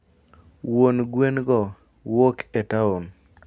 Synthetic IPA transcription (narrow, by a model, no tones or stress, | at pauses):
wonɡwenɡɔ | wokɛtaon